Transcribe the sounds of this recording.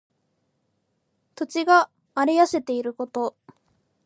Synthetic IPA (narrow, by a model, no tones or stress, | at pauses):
t̪o̞t͡ɕiɡaː | ɾijase̞t̪e̞iɾɯ̟ko̞t̪o̞